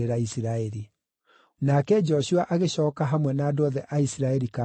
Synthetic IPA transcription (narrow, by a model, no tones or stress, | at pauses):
eɾaisiɾaɛɾi | nakɛd͡ʒɔɕuaʔaɣeɕɔːkaɦamwɛnaːdɔðɛʔaisiɾaɛɾika